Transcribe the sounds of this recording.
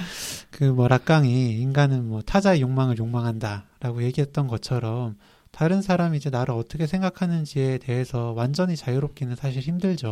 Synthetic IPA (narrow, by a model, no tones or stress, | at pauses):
kɯmwʌɾak͈̚aŋiːnɡanɯnmwʌtʰad͡ʑaejoŋmaŋɯɭjoŋmaŋɦandaɾaɡoje̞ɡiɦe̞t̚t͈ʌnɡʌt͡ɕʰʌɾʌm | taɾɯnsʰaɾamid͡ʑe̞naɾɯɾʌt͈ʌkʰesʰe̞ŋɡakʰanɯnd͡ʑie̞de̞ɦe̞sʰʌwand͡ʑʌɲit͡ɕajɯɾop̚k͈inɯnsʰaɕʰiɭhimdɯɭd͡ʑo